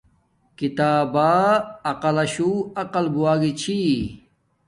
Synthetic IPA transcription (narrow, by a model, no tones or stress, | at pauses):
kit̪aːbaːɐqɐlɐɕuːɐqɐlbuaːɡit͡ɕʰi